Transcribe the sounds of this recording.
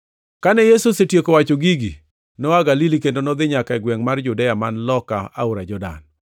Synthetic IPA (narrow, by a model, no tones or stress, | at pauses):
kanɛjesosetjekowat͡ʃoɡiɡi | nɔaɡalilikendonɔd̪ɪɲakaɛɡwɛŋmard͡ʒudɛjamanlɔkaa̰uɾad͡ʒɔda̰n